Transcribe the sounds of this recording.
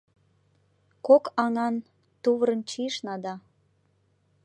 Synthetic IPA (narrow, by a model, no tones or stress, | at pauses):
kokɑŋɑn | t̪uβɾənt͡ɕiʃnɑd̪ɑ